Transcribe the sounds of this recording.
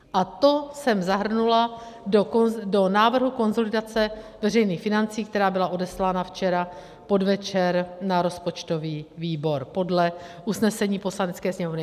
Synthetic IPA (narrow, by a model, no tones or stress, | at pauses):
ʔat̪o̞sɛmzaɦr̩nula | dokodo̞naːvr̩ɦuko̞nzo̞lɪdat͡sɛvɛr̝ɛjniːxfɪnant͡siːk̚t̪ɛɾaːbɪlaʔo̞dɛslaːnaft͡ʃɛɾa | po̞dvɛt͡ʃɛɾnaɾo̞spo̞t͡ʃt̪o̞viːviːbo̞ɾpo̞dlɛʔusnɛsɛɲiːpo̞slanɛt͡skɛːsɲɛmovnɪ